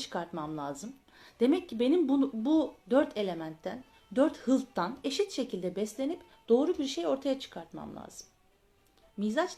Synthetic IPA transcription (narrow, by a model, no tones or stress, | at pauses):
t͡ʃʰɯ̥kʰaɾt̪mamlˠaːzɯm | d̪̥e̞mɛcʰːibe̞nimbubud̪øɾt̪ʰe̞lʲe̞mænt̪ʰːæn | d̪øɾt̪hɯlˠt̪t̪ːane̞ʃit̪ʃe̞cilʲd̪ɛbɛslʲe̞nip | d̪̥o̞ːɾubiɾʃe̞jo̞ɾt̪ʰajat͡ʃʰɯ̥kʰaɾt̪ma̰mlˠa̰ːz̥ɯm | mizat͡ʃ